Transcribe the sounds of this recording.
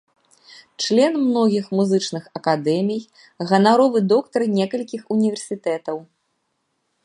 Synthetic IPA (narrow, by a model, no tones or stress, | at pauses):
t͡ʂlʲɛnmnɔɣʲixmuzɨt͡ʂnɨxɐkad̪ɛmʲij | ɣɐnaɾɔvɨd̪ɔkt̪ɐɾnʲɛkɐlʲkʲixunʲivʲɛrsʲit̪ɛt̪ɐw